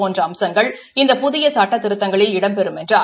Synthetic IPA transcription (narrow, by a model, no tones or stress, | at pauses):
oːndrɐɐmsɐŋɡɐɭ | ɪnd̪ɐpʊðɪjɐsaːʈːɐt̪ːɪɾɯt̪ːɐŋɡɐɭɪlɪɽɐmpɛɾɯmɛndrɯɐ